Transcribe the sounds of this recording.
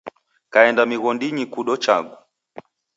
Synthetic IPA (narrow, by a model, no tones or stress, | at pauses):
kaɛndamiɣɔndiɲikuɗɔt͡ʃa̰ɡu